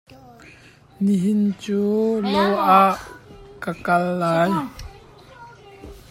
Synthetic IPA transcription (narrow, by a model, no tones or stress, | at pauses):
niɦɪnt͡suːlowʔaʔkakɐlːaːj